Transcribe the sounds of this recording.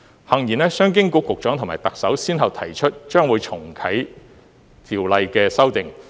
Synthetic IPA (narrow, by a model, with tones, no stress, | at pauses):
hɐ˨˩ŋjiː˨˩nɛː˥sœː˥ŋk̬ɪ˥ŋko˧˥kːʊ˨k̚t͡ʃœː˨˥ŋʰʊ˨˩ŋmaː˨˩jt̪ɐ˨k̚sɐ˨˥wsiː˥nɦɐ˨w̚t̪ʰɐ˨˩jt͡ʃʰɵ˥t̚t͡ʃœː˥ŋwuː˨˧jt͡ʃʰʊ˨˩ŋkʰɐ˨˥j | t̪ʰiː˨˩wlɐ˧jkɛː˧sɐ˥wt̪ɪ˨ŋ